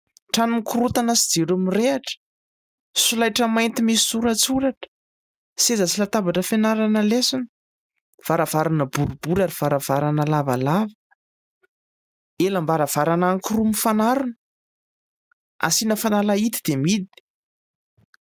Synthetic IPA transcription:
ʈ͡ʂanumikuɾut̪anasid͡zeɾumireaʈ͡ʂə̥ | sulajʈ͡ʂəmajnt̪imisi̥suɾat͡suɾaʈ͡ʂə̥ | sezəsilat̪abaʈ͡ʂəfenaɾanəlesani | v̥aɾav̥aɾanəbuɾub̥uɾaɾiv̥aɾav̥aɾanəlava̰lavə̥ | elambaɾav̥aɾanaŋkirumifanaɾunə̥ | a̰sinəfanalait̪id̪̥emid̪i̥

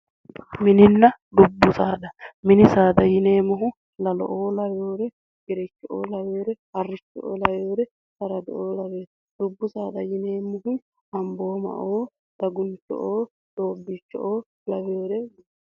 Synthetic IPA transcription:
mɪnɪnːɐd̪ʊbːʊsaːᶑɐmɪnɪsaːd̪ɐjɪneːmʊɦʊ | lɐlɔ̰ʔoːlɐjoːɾɛ | ɡɪɾɛt͡ʃːɔʔo̰ːlɐweːɾɛ | ɐrːɪt͡ʃːɔʔo̰ːlɐjoːɾɛ | sɐɾɐd̪ɔʔoːlɐweː | d̪ʊbːʊsaːd̪ɐjɪneːmʊhʊ | ɐmbo̞ːmɐ̰ʔoː | d̪̥ɐɡʊnt͡ʃɔ̰ʔoː | d̪̥oːbːɪt͡ʃːɔ̰ʔː | lɐweːɾɛ

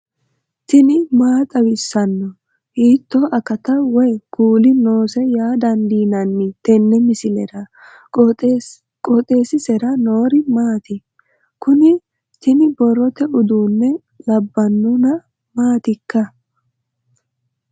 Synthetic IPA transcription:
t̪ɪnɪmaːt̪ʼɐwɪsːɐnːɔ | hiːt̪ːɔʔɐkɐt̪ɐwɔjɡ̥uːlɪno̞ːsɛjaːd̪ɐnd̪iːnɐnːɪt̪ɛnːɛmɪsɪlɛɾɐ | kʼɔt̪ʼe̞ːsɪsɛɾɐno̞ːɾɪmaːt̪ɪ | kʊnɪ | t̪ɪnɪbɔɾɔt̪ɛʔʊd̪uːnːɛ | lɐbːɐnːʊnɐ | maːt̪ɪkːɐ

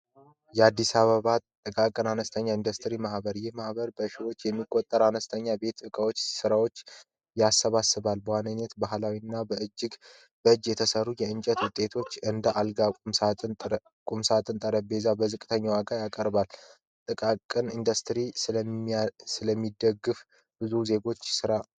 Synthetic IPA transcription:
jɛad̪ːisaβəβat̪ʼɨkʼakʼɨnanəst̪ʰəɲːaind̪əst̪ʰɨɾimahbəɾjɛhmahβəɾbəʃiwo̞t͡ʃːjɛmːikʼot̪ʼːəɾanəst̪ʰəɲːabe̞t̪ɨkʼəwot͡ʃːsɨɾawo̞t͡ʃː | jasːəβasɨβalbəwanəɲet̪baɦlawinːabəʔɨd͡ʒːɪɡ | bəɨd͡ʒjɛt̪ʰəsərːujɛɨnt͡ʃʼət̪wʊt̪ʼːe̞t̪ʰo̞t͡ʃːɨnd̪əʔalɡam | kʼumsat̪ʼɨnt̪ʼəɾəbe̞zabəzɨkʼt̪ʰəɲːawakʼajakʼəɾbal | t̪ʼɨkʼakʼɨnind̪əst̪ɾis | sɨləmːid̪əɡːɨf | b̥ɨzuze̞ɡo̞t͡ʃːsɨɾa

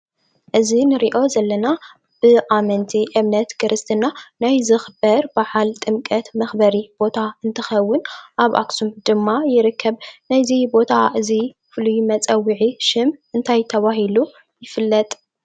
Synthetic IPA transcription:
ʔɨzinɨɾiʔo̞zɐlːɐna | b̥ɨʔamɐnt̪ʰiʔɨβnɐt̪kʰɨɾʔɨst̪ʰɨnanajzɨxbɐɾbaħalt̪ʼɨmkʼɐt̪mɐxbɐɾib̥o̞t̪ʰaɨnt̪ʰɐxɐwːʊnʔaβʔa̰ksumd̪ɨmːajɪɾɨkʰːɐβnajzibo̞t̪ʰaʔɨzi | fɨlujmɐt͡sʼɐwːiʕiʃɪmʔɨnt̪ʰajt̪ʰɐβaɦilu | jɪfɨlːɐt̪ʼ

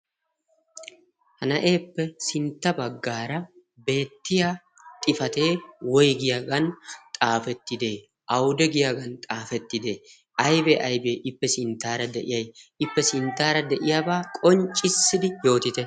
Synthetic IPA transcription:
hɐnɐʔe̞ːpːɛsɪnt̪ːɐbɐɡːaːɾɐ | be̞ːt̪ːɪja | t̪ʼɪfɐt̪e̞ːwɔjɡɪjaɡɐnt̪ʼaːfɛt̪ːɪd̪e̞ː | ʔɐwd̪ɛɡɪjaɡɐnt̪ʼaːfɛt̪ːɪd̪e̞ː | ɐjbɛʔɐjbe̞ːʔɪpːɛsɪnt̪ːaːɾɐd̪ɛʔɪjɐjɪpːɛsɪnt̪ːaːɾɐd̪ɛʔɪjaːbaːkʼɔnt͡ʃʼːɪsːɪd̪ɪjo̞ːt̪ɪt̪ɛ

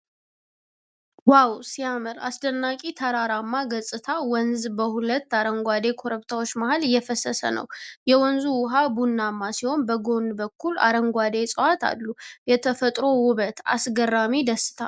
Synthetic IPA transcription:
wawsijamɨɾa̰sd̪ənːakʼit̪ʰəɾaɾamːaɡəsʼɨt̪ʰawɔnzbəhulət̪ːaɾəŋɡʷad̪e̞kʰo̞ɾəβt̪ʰawo̞t͡ʃːmahəlɪjːɛfəsəsə̰nə̰wjɛwɔnzuwʊɦabunːamːasiho̞nbəɡo̞nbəkʰːula̰ɾəŋɡʷwad̪e̞sʼəwat̪ʰa̰lːujɛt̪ʰəfət̪ʼɾo̞wʊβət̪ʰa̰sɡərːamid̪əsɨ̥t̪ʰa̰l

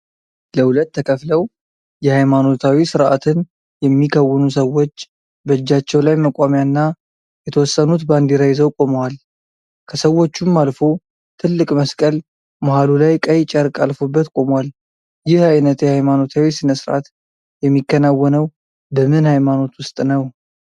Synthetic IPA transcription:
ləhulət̪ːʰəkʰəfləw | jɛhajmano̞t̪ʰawisɨɾʔa̰t̪ʰɨn | jɛmːikʰəwːɨnusəwo̞t͡ʃː | bəd͡ʒːat͡ʃːɛwlajməkʼamjanːa | jɛt̪ʰəwɔsːənut̪band̪iɾajɛzəwkʼo̞məwal | kʰəsəwːo̞t͡ʃːumːalfo̞ | t̪ʰɨlːɨkʼməskʼəl | maɦalulajkʼəjt͡ʃʼəɾkʼalfo̞bːət̪kʼo̞mwal | jɪhajnət̪jɛhajmano̞t̪ʰawisɨnəsɨɾʔa̰t̪ | jɛmːikːənawːənəw | bəmɨnhajmano̞t̪wʊst̪ʼnəw

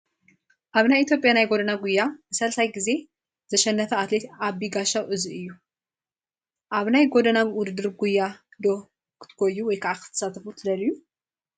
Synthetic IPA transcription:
ʔaβnajʔit̪ʰjo̞pʼjanajɡo̞d̪ɐnaɡujːabɨsɐlsajɡize̞ | z̥ɐʃɛnːɐfɐat̪let̪ʔabiɡaʃawʔɨziɨjːu | ʔaβnajɡo̞d̪ɐnaβwʊd̪ɨd̪ɨɾɡujːad̪o̞ | kʰɨ̥t̪ʰɨ̥ɡʰojːuwɔjkʰɐʔakʰɨ̥t̪ʰɨ̥sat̪ʰɐfut̪ʰɨd̪ɐlɨjːu

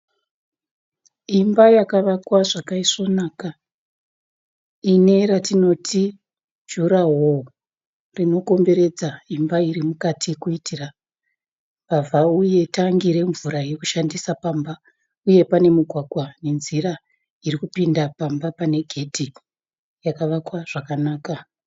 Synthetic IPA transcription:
imbajakaʋakwaʐakaiso̞naːka | ine̞ɾatino̞tʰi | d͡ʒuɾaɦo | rino̞ko̞mbe̞ɾe̞d͡zaimbaiɾimukatʰikuitʰira | pavʱauje̞taŋɡiɾe̞ɱvuɾaje̞kuʃandisapaːmba | uje̞pane̞muɡʱwaɡʱwane̞nziɾa | irikupindapambapane̞ɡʱe̞dʱi | jakaʋakwaʐ̥akanaːka

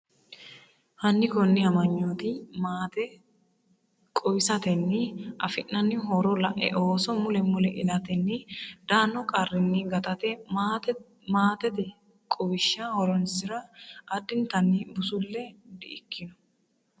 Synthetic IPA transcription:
hɐnːɪkɔnːɪɐmɐɲːoːt̪imaːt̪ɛ | kʼɔwɪsɐt̪ɛnːɪʔɐfɪʔːɐnːɪɦɔɾɔlɐʔɛ̰ʔoːsɔmʊlɛmʊlɛʔɪlɐt̪ɛnːɪd̪̥aːnːɔkʼɐrːɪnːɪɡɐt̪ɐt̪ɛ | maːt̪ɛd̪ɛ | kʼɔwɪʃːahɔɾɔnsɪɾɐʔːd̪ɪnt̪ɐnːibʊsʊlːɛd̪ɪʔɪkːɪnʊ̥

